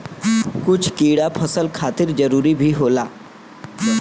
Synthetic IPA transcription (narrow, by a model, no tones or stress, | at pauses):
kut͡sʰkiɽapʰəsəlkʰat̪iːɾd͡zəɾuːɾiːbʱiːɦola